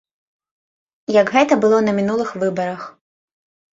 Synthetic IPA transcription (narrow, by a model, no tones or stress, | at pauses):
jɐɡɣɛt̪ɐbɨlˠɔnɐmʲinulˠɨxvɨbɐɾɐx